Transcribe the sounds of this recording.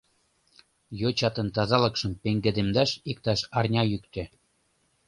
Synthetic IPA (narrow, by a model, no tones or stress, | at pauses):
jot͡ɕɑt̪ə̆nt̪ɑzɑlɤ̆kʃə̆mpeŋɡed̪emd̪ɑʃikt̪ɑʃɑrnʲɑjykt̪ĕ